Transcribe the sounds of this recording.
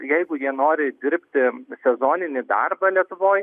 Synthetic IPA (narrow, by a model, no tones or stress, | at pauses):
jɛɪɡʊjiɛnoːɾʲɪd̪ʲɪɾʲpʲt̪ʲɪsʲɛzoːnʲɪnʲɪd̪ɐ̰rbɐlʲiɛt̪ʊʋoːj